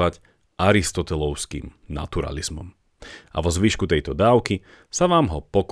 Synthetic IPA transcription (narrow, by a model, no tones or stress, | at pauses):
ac | ʔaɾist̪ɔt̪ɛlɔʊskḭmna̰t̪uɾa̰lizmɔm | ʔa̰ʋɔzʋiʃkut̪ɛjt̪ɔd̪aːʊki | saʋaːmɦɔpɔk